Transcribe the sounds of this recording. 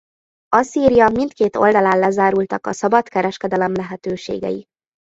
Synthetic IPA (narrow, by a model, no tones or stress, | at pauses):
ɒsiːɾijɒmint̪keːt̪o̞̰ld̪ɒlaːlːɛzaːɾult̪ɒkɒsɒbɒt̪kɛɾɛʃkɛd̪ɛlɛmlɛɦɛt̪øːʃḛːɡɛ̰ji